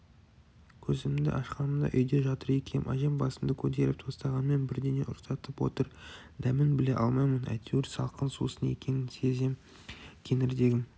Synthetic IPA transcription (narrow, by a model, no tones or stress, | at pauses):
kʲʰɵzɪmɪnd̪ɪ̰ʔɑʃqɑnəmd̪ɑ̰ʔʏjd̪e̞ʒɑt̪əɾe̞kʲʰemʔɑ̰ʒembɑsəmd̪əkʲʰɵt̪e̞ɾɪp̚t̪ʰo̞st̪ɑʁɑnme̞nbɪɾd̪e̞ne̞̰ʔʊɾsɑt̪əpwo̰t̪əɾ | d̪æmɪnbɪle̞ʔɑlˠmɑjmənæ̰t̪ʰewɪɾsɑlˠqʰənsṵsəne̞̰kʲe̞nɪnse̞zem | kʲʰe̞ŋɪɾd̪e̞ɡʲɪm